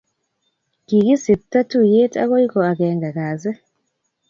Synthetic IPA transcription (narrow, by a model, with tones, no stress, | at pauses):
ki˨ki˦si˨tːa˦tu˦˨je˦tʼa̰˦ko˦i˦kɔ˨a˨kɛ˨ŋɡa˨kaː˨zɛ˦